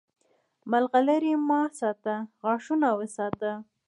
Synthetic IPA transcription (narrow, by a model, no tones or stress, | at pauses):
malɣaləɾimɑsɑt̪əɣɑʂunawəsɑt̪ə